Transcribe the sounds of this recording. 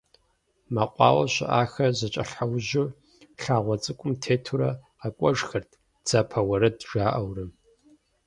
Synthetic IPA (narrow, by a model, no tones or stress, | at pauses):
mɐqʷʼɑ̰ːwɐɕɪ̰ʔaːxɐzɐt͡ʃʼɐɬawʑʊ | ɬaːʁʷɔt͡sʼɨkʷʼʊmtʰeːtʰuɾɐ | ɐkʷʼɔʒxɐrtʰ | d͡z̥ɐpʰɐwɐɾɐdʒaːʔɐwrɨm